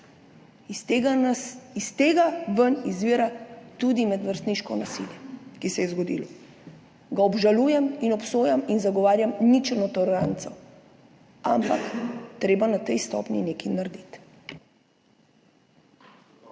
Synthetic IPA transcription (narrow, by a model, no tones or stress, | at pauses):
ist̪eːɡaʋənizʋiːɾat̪ud̪imɛd̪ʋəɾst̪niʃkɔnasḭljɛkisɛjɛzɡɔd̪ḭlɔ | ɡaɔbʒalujɛminɔpsoːjaminzaɡɔʋaːɾjamnit͡ʃɛnɔt̪ɔlɛɾant̪sɛw | a̰mpakt̪ɾeːbanat̪ɛjst̪ɔ̰pnʲinekinaɾd̪it̪